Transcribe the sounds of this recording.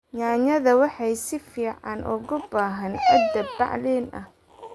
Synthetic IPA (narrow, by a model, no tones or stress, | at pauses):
ɲaːɲɐðɐwɑħɑjsɪfiːʕɑnʔʊɣʊbaːɦɐnɐd̪ɐbbɑ̰ʕlɛːnʔɐ̰h